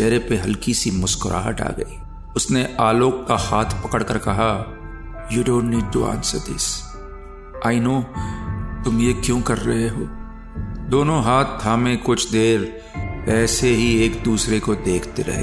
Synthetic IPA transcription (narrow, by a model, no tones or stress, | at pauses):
ʃɛːɾepeɦɐlkisimʊskʊɾʔa̰ːɦəʈa̰ːɡɐ̰iː | ʊsneʔaːloːkːahaːt̪ʰpɐkəɽkəɾkɐɦa | juːɖõːnʈniːɖ̚ʈuã̰ːnsə̰ɾd̪ɪ̰s | aːɪnoː | t̪ʊmjekjõːkɐɾːɐɦeɦoː | d̪oːnõɦaːt̪̚ʰːaːmẽkʊt͡ʃʰd̪eːɾ | ɛːseɦieːkd̪uːsɾekod̪eːkʰt̪eɾɐ̰ɦḛː